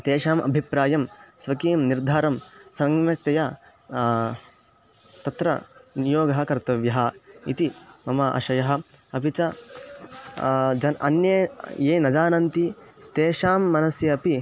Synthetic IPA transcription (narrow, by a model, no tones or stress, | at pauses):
t̪eːʃaːmɐ̰bʱipɾaːjɐmsʋɐkiːmniɾd̪ʱaːɾɐmsɐŋmɐk̚t̪ɐja | t̪ɐt̪ɾɐ̰nijoːɡɐɦɐ̆kɐɾt̪ɐʋjɐɦɐḭt̪imɐmɐʔɐ̰ʃɐjɐɦɐ̆ | ɐpit͡ʃɐ | d͡ʒɐnʔɐ̰njɐjeːnɐd͡ʒaːnɐnt̪it̪eːʃaːmːɐnɐsjɐɐpi